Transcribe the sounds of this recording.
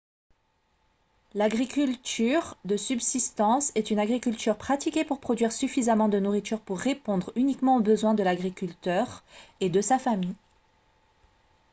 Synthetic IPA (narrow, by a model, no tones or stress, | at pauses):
laɡʁikʲylt̪yʁd̪əsybsist̪ɑ̃sɛt̪ynaɡʁikʲylt̪yʁpχat̪ikʲepuʁpχɔd̪ɥiʁsyfizamɑ̃d̪ənuʁit̪yʁpuʁːepɔ̃d̪ʁynikmɑ̃obəzwɛ̃d̪əlaɡʁikʲylt̪œʁed̪əsafami